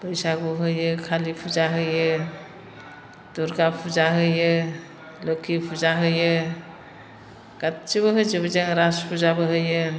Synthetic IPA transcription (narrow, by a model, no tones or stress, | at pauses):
pɯjsaɡuɦɯjɯkʰalipʰuzaɦɯjɯ | d̥uɾɡapʰuzaɦɯjɯ | lokʰipʰuzaɦɯjɯ | ɡ̥at̚t͡ʃiβɯɦɯjzɯbɯzaŋɾaspʰuzabɯɦɯjɯ